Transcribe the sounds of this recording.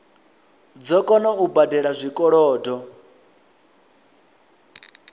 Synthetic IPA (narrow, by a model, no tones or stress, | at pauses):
d͡zɔkʼɔnaubadɛɺazʷikʼɔɺɔːdɔ